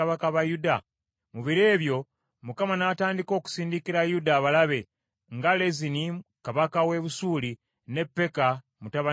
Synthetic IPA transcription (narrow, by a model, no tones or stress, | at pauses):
aβakaβajuda | muβiɾeːβjo̞ | mukamanaːtaːndiko̞ːku̥siːndikiɾajudaːβalaβe̞ | ŋɡale̞zinikaβakawe̞βusuːli | ne̞pːe̞ka | mutaβa